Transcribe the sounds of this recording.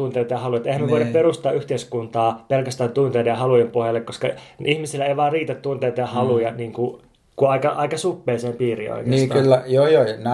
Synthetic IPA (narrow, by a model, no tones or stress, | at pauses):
unt̪ejt̪ɑjɑhɑlujɑt̪ehæmeʋoˑiɾɑpperust̪ɑːʔyht̪eiskunt̪ɑːpelkæst̪æːnt̪unt̪eidɑjɑhɑlujempohjɑlːekkoskɑʔihmisilːæeiʋɑːriːt̪æt̪t̪unt̪eːt̪ɑjɑhɑlujɑniːŋku | kuɑikɑʔɑikɑsupːeːseːmpiːrḭo̰ikneisːt̪kylːæjoːjonæ